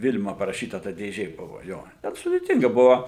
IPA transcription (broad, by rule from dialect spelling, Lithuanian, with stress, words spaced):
ˈʋʲɪlʲmɐ pɐrɐˈʃʲiːtɐ tɐ dʲeːˈʒʲeː ˈbʊʋoː ˈjoː tʲɛn sʊdʲeːˈtʲɪŋɡɐ ˈbʊʋoː